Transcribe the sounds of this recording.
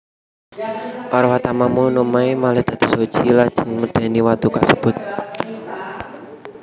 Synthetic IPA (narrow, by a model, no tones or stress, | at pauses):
ʔɔɾwat̪amamunumaemalɛhd̪̥a̤d̪̥o̥̤sod̥ʒ̥ilad̥ʒ̥əŋməɖ̪̥e̤niwat̪ukasəb̥ʊt̪̚